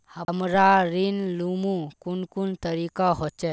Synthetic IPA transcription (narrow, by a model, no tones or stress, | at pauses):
həmɾaɾinlumukunkunt̪əɾikaɦot͡ʃɛ